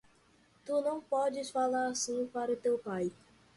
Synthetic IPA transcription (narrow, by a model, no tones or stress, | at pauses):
t̪unɐ̃w̃pɔd͡ʒɪsfalaɾasĩpaɾɐt̪ewpaj